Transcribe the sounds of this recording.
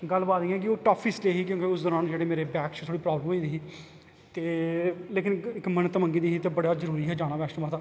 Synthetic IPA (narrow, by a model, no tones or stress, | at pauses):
ɡəlːbaːt̪ĩːɛːk̬ɪoːʈaːpʰiːsʈeːɦiːk̬jõːkeʊsd̪ɔːɾaːnd͡ʒeːɽeːmeːɾeːbɛːkt͡ʃt̪ʰoːɽiːpɾaːbləmiːd̪iːɦː | t̪eːleːkɪnɪkmənt̪əmə̃ŋɡiːd̪iːɦit̪eːbəɽaːzəɾuːɾiːɦɛːd͡ʒaːɽ̃aːbɛːʃnbaːt̪aː